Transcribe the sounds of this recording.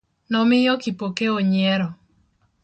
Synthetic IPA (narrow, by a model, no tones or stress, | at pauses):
nɔmɪjɔkipokeoɲɛɾɔ